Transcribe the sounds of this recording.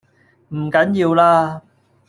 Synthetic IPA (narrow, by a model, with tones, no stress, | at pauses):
m̩˨˩kɐ˨˥njiː˧wlaː˧˥